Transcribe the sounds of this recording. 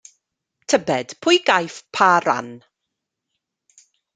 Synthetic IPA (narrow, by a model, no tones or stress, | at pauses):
tʰəbɛd̥pʰʊjɡajfpʰaɾa̰n